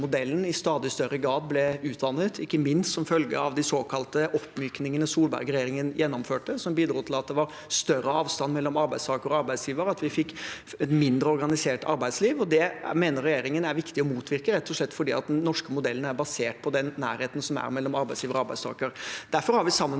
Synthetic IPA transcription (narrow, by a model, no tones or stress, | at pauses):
mʊd̪ɛlːənɪst̪ɑːd̪ɪst̪œɾːəɡɾɑːd̪̚blɛʉːt̪ʰd̪ɑnːət̪ʰɪkːəmɪnst̪sɔmfœlɡə̰ɑ̰ʋd̪ɪsoːkʰɑlt̪əʔɔpːmyːknɪŋənəsuːlbæ̰ɾɡɾɛjeːɾɪŋənjʔɛnːɔmføːʈːəsɔmbiːd̪ɾuːt̪ʰɪlɑt̪̚d̪ɛʋɑɾ | st̪œrəɑːʋst̪ɑnːmɛlːɔmɑɾbæɪst̪ʰɑːkəɾɔɑɾbæɪd̪sjiːʋəɾɑt̪ʋɪfɪkː | ɛt̪mɪnd̪ɾəɔɾɡɑnɪseːʈɑɾbæɪd̪sliːʋɔd̪ɛmeːnəɾɛjeːɾɪŋənæɾʋɪkt̪ɪɔmuːt̪ʰʋɪɾkəɾɛt̪ːɔʂɭɛt̪ːfɔɖḭːɑ̰t̪̚d̪ɛnnːɔʂkəmʊd̪ɛlːənæɾbɑseːʈ̚pʰɔd̪ɛnːæ̰ːɾheːt̪n̩sɔmæ̰ɾmɛlːɔmɑɾbæɪsjiːʋəɾɔɑɾbæɪst̪ɑ̰ːkəɾd̪̥æɾfɔɾhɑɾʋɪsɑmːən